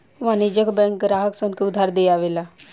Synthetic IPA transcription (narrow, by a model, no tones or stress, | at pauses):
ʋaːniːd͡ʒəkbɛ̃ːŋk̚ɡɾaːɦəksənkːʊd̪ʱaːɾd̪eːaːʋeːlaː